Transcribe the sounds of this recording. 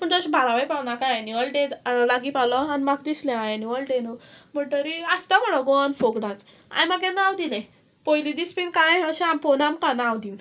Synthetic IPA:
pəɳd͡z̪əɕbʱaɾaʋajpawnakajajniʋəlʈẽd͡zlaɡipalɔanimakd̪islẽãjniʋəlʈenum̤əɳʈ̪əɾiast̪am̤əɽɔɡɔnfoɡɽãt͡s | ã̰jmaɡ̬ẽnawd̪ilẽ | pɔjlid̪ispinkãjəɕɛampɔnamkanawd̪in

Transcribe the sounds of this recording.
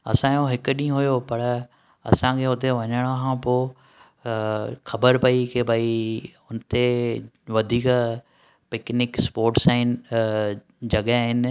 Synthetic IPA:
ɐ̰sãjoɦɪkɗĩːɦʊjopɐɾ | ɐ̰sãkʰeːʊt̪ʰeʋɐɲəɽ̃oɦãpoː | xɐbəɾpɐikebʱɐiʊnt̪e | ʋɐd̪ʱiːk | pɪknɪkspoːɾʈsaːɪn | d͡ʑɐɠaɦɪn̆

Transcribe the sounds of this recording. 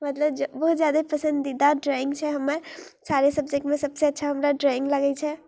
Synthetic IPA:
mət̪ləbd͡ʒbəɦut̪d͡ʒjad̪epəsə̃nd̪id̪aɖɾaĩŋɡt͡ʃʰɛɦəmːəɾsaɾesəb̚d͡ʒek̚ʈmesəbseətːʃʰaɦəmɾaɖɾɔĩŋɡləɡɛt͡ʃʰɛ

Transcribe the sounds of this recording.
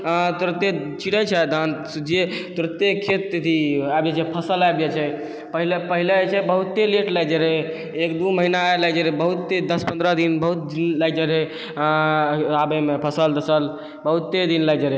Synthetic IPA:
t̪uɾt̪e | t͡ʃiʈət͡ʃʰɛd̪ʱansud͡ʒet̪uɾət̪ːekʰet̪̚et̪ʰiajbd͡ʒet͡ʃʰɛpʰəsəlajbjɛt͡ʃʰɛ | pəɦilepəɦilet͡ʃʰɛbəɦut̪ːeleʈləjd͡ʒəɾe | ekd̪uməɦinaeləjd͡ʒəɾebəɦut̪ːed̪əspənd̪ɾəd̪inbəɦut̪̚d̪inləjd͡ʒəɾe | abemepʰəsəld̪əsəl | bəɦut̪ːed̪inləjd͡ʒəɾe

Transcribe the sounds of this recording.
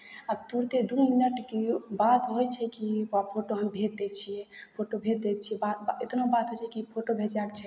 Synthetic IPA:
əbt̪uɾt̪ed̪uminəʈkebat̪ɦojt͡ʃʰɛkiapʰoʈoɦəmbʱet̪̚d̪ɛt͡ʃʰiɛpʰoʈobʱet̪̚d̪ɛt̪̚t͡ʃʰiɛbaet̪nobat̪ɦojt͡ʃʰɛkipʰoʈobʱed͡ʒakt͡ʃʰɛ

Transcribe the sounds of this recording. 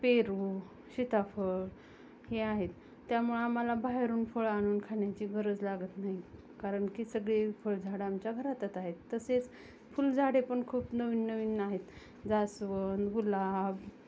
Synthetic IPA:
peɾuː | ɕit̪afəɭ | heaɦet̪ː | jamuɭeamalabaɦeɾuːnfəɭaɽ̃uːnkʰaɳjat͡ɕiːɡʱəɾəd͡zlaɡət̪naɦi | kaɾəɳkiːsəɡɭefəɭd͡zʱaɽamt͡ɕjaɡʱəɾat̪ət̪aɦet̪ːəset͡s | fuld͡zʱaɽepəɳkʰuːpnəʋiːnːəʋiːnːaɦet̪ | d͡zasʋənd̪ɡulab

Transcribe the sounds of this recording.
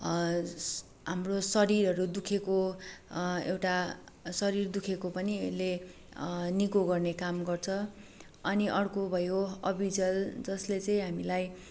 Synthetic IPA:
ɦamrosʌɾiɾʌɾud̪ukʰeko | ewʈa | sʌɾird̪ukʰekopʌniʌle | nikoɡʌrnekamɡʌrt͡sʰʌ | ʌniʔʌrkobʱʌjoʌbʱid͡zʌld͡zʌslet͡sʌj̃ɦamilaj

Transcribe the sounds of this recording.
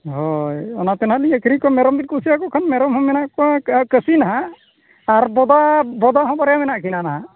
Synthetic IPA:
ɦɔjɔnat̪ɛnaliəkʰiɾikɔamɛɾɔmbit̚kɔsiakɔkʰanmɛɾɔmhɔmɛnaʔkɔãkəsinaɦãː | ɾbɔd̪abɔd̪aɦɔ̃bɔɾɛjamɛnaʔkʰinanaɦã

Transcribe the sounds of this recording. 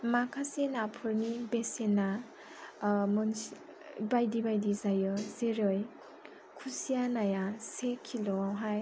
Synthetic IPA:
makʰasenapʰɯɾnibesena | mɔns | bajdibajdizajɯzeɾɯj | kʰusijanajasekʰilɔɦaj

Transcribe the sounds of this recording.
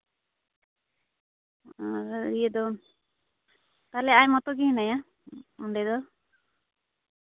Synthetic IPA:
aɾijɛd̪ɔ | t̪alɛajmɔt̪ɔɡinaja | ɔɳɖɛd̪ɔ

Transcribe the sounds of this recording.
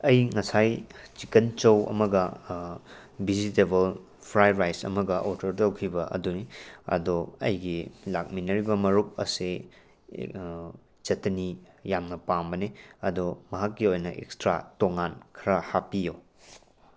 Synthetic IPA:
ɐjŋɐsajt͡ʃikɐnt͡ʃɐwɐ̰mɐɡɐ | bizitebɐl | pʰɾajɾajsɐ̰mɐɡɐʔoɾtɐɾtɐwkʰibɐʔɐ̰duniɐ̰doɐ̰jɡilak̚minɐɾibɐmɐɾuk̚ɐ̰se | t͡ʃɐtɐni | jamnɐpambɐneɐdomɐɦakːiojnɐʔḛkstɾa̰toŋankʰɐɾɐhapijo

